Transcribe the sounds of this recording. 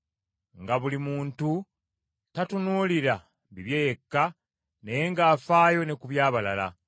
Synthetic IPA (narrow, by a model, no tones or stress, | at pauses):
ŋɡaβulimuːntu | tatunuːliɾa | biβjejekːa | ne̞jeŋɡaːfaːjo̞ne̞kuβjaːβalala̰